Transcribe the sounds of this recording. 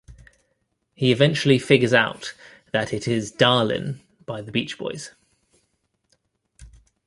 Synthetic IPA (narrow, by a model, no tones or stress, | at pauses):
hiɪvɛ̃nt͡ʃuəlifɪɡəzaʊʔ | ðətʰɪtʰɪzdɑːlɪ̰̃n | b̥aɪðəbiˑt͡ʃb̥ɔ̰ɪz̥